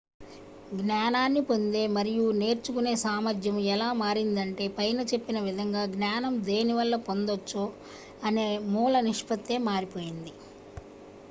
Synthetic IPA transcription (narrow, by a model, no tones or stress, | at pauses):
ɡnjaːnaːnːipo̞nd̪e̞ːmɐɾijune̞ːɾt͡ʃukune̞ːsaːmɐd͡ʒ̪jɐmɛlaːmaːɾind̪ɐɳʈe̞ːpɐjnɐt͡ʃe̞pːinɐʋid̪ʱɐŋɡaːɡnaːnɐmd̪e̞ːniʋɐlːɐpo̞nd̪ot͡ʃːoː | ɐne̞ːmuːlɐniʂpɐt̪ːe̞ːmaːɾipo̞ːjind̪i